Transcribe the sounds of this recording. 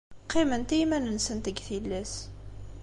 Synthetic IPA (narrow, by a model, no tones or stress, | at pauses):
qʰːimənt̪imænənsənt̪əɡθilːæs